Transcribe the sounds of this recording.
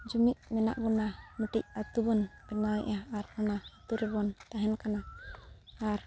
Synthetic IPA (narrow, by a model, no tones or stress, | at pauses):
d͡ʒumiʔ̪̚mɛna̰ʔɡɔnaməʈic̚at̪ubɔnbɛnaʔaːɾɔnaːt̪uɾɛbɔnt̪aɦɛnkanaː | ɾ